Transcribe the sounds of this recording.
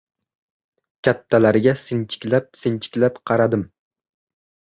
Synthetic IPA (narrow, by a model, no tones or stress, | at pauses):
kʲʰat̪ʰːalaɾɡʲasɨnt͡ʃʰɪ̥kʲlap̚sɪnt͡ʃʰɪ̥kʲlapqʰɑɾɑd̪ɨm